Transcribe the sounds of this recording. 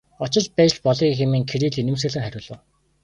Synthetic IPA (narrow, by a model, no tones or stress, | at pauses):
ɔt͡ɕɪ̆t͡ɕpæːt͡ɕt͡ɕpɔɮiːxemiːŋkʰeɾiːɮinɘ̆ms̬ɘ̆ɮɘ̆ŋχæɾʲʊːɮʊ̆ːw